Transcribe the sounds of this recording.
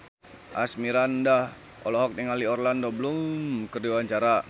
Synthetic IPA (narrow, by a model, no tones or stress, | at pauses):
ʔasmiɾanda | ɔ̰lɔɦɔk̚niŋaliɔrlandobəlumkərdiwaɲt͡ʃaɾa